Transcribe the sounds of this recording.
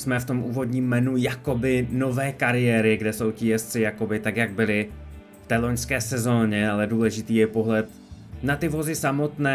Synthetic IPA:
smɛft̪o̞mʔuːvo̞dɲiːmːɛnujako̞bɪno̞vɛːkaɾɪjɛːɾɪɡdɛso̞wcɪjɛst̪t͡sɪjako̞bɪt̪akjaɡ̚bɪlɪ | ft̪ɛːlo̞ɲskɛːsɛzo̞ːɲɛalɛduːlɛʒɪt̪iːjɛpo̞ɦlɛt̪̚ | nat̪ɪvo̞zɪsamo̞t̪nɛː

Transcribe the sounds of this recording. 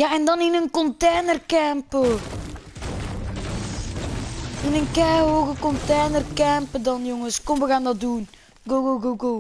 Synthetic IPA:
jaɛndɑnɪnənkɔnteːnərkɛmpə | ɪnənkɛjɦoːɣəkɔnteːnərkɛmpədɑnjɔŋəskɔmʋəɣaːndɑt̚dun | ɡoɡoɡoɡo

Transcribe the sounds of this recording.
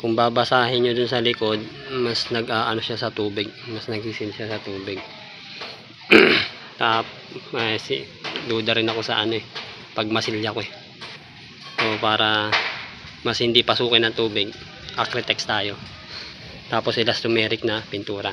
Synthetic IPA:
kʊŋbaːbɐsaːɦɪnɲod̪ʊnsɐlɪko̞d̪̚mɐsnɐɡʔaːʔɐno̞ʃasɐt̪uːbɪɡ̚mɐsnɐɡ̚sɪsɪlʃasɐt̪uːbɪɡ̚ | t̪aːp | ɐs | d̪uːd̪ɐɾɪnɐko̞sɐʔɐno̞ɛ | pɐɡ̚mɐsɪljɐkoɛ | ʔopaːɾʔɐ | mɐshɪnd̪ipɐsuːkɪnɐŋt̪uːbɪɡ̚ | ʔɐkɾɛt̪ɛkst̪aːjo̞ | t̪aːposɪlɐst̪omɛːɾɪk̚nɐpɪnt̪uːɾɐ

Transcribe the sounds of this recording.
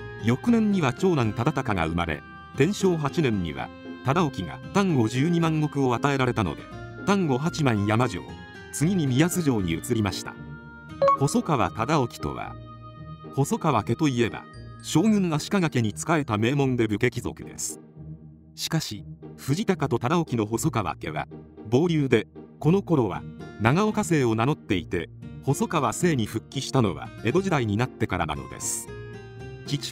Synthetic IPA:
jo̞kɯ̟nẽ̞ɲ̟ɲiβat͡ɕo̞ːɾãnt̪ad̪at̪akaɡa̰ɯ̟ma̰ɾe̞̰ | t̪ẽ̞ɰ̃ɕo̞ːɦat͡ɕinẽ̞ɲːḭβa̰ | t̪ad̪ao̞kʲiɡa̰t̪ãŋɡo̞ʑɨːɲ̟imãŋɡo̞kɯ̟o̞at̪ae̞ɾaɾe̞t̪ano̞̰d̪e̞̰t̪ãŋɡo̞ɦat͡ɕimãɰ̃jamaʑo̞̰ː | t͡sɨɡʲiɲ̟imʲijazɨʑo̞ːɲ̟ḭɯ̟t͡sɨɾʲimaɕi̥t̪a̰ | ko̞so̞kaβa̰t̪ad̪ao̞kʲi̥t̪o̞̰βa̰ | ko̞so̞kaβake̞t̪o̞ie̞ba̰ɕo̞ːɡɯ̟̃ŋːaɕi̥kaɡake̞ɲ̟it͡sɨ̥kae̞t̪ame̞ːmõ̞nd̪e̞bɯ̟ke̞kʲizo̞̰kɯ̟d̪e̞̰sɨ̥ | ɕi̥kaɕiɸɯ̟ʑit̪akat̪o̞t̪ad̪ao̞kʲino̞ɦo̞so̞kaβa̰ke̞̰βa̰bo̞ːɾʲɨːd̪e̞ko̞no̞ko̞ɾo̞βa̰naɡao̞kase̞ːo̞nano̞t̪ːe̞it̪e̞ho̞so̞kaβase̞ːɲ̟iɸɯ̟kʲːiɕi̥t̪ano̞̰βa̰e̞d̪o̞ʑid̪aiɲ̟inat̪ːe̞kaɾa̰na̰no̞̰d̪e̞̰sɨ̥ | t͡ɕi

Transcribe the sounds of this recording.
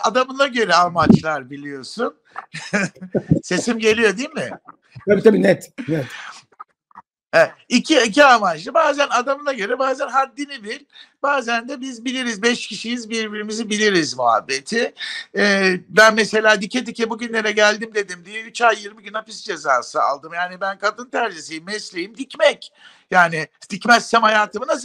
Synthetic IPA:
a̰d̪amɯnˠaɟø̞ɾɛalˠmat͡ʃlˠaɾbilʲijo̞sun | se̞simɟe̞lʲijo̞d̪iːmmɪ̰ | t̪ʰabiːt̪ʰabiːnɛt̪nɛt̪ | hɛicʰiiciamad͡ʒ̪ˠɯbaːzænad̪amɯnˠaɟø̞ɾɛbaːzænɦaɾd̪inibiɾbaːzænd̪ɛbizbilʲiɾizbɛʃcʰiʃijizbiɾbiɾimizibilʲiɾizmṵɦa̰bːe̞t̪ʰɪː | bænmese̞lʲaːd̪icʰːet̪icʰɛbuɟynlʲe̞ɾɛɟælʲd̪imd̪e̞d̪imd̪ijɛyt͡ʃajːiɾmɯɟynhapisd͡ʒe̞za̰ːsɯa̰lˠd̪ɯmjaːnibænkʰad̪ɯnt̪ʰæɾʒisijimːɛslʲejimd̪icmɛc | jaːnɪst̪icmɛst̪ɛmhajaːt̪ʰɯmɯnas

